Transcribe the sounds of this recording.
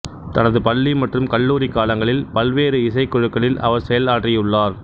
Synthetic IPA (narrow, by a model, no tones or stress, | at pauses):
t̪ɐnɐðɯpɐɭːimɐʈrɯmkɐɭːuːɾikːaːlɐŋɡɐɭɪlpɐlʋeːɾɯɪs̬ɐɪkːɔɻɯkːɐɭɪlʔɐ̰ʋɐɾsɛjɐlaːʈrɪjɯɭːaːɾ